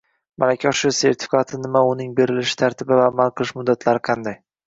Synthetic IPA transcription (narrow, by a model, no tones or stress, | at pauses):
malakʲʰaʃʊse̞ɾt̪ʰɪ̥fʲɪ̥kʰat̪ʰɪnɪmaʊnɪŋbe̞ɾɪlɪʃɪ̥t̪ʰaɾt̪ʰɪbɪvaːmalˠqʰɨlˠɪʃmʊd̪ːat̪ʰlaɾɪqʰɑnd̪aj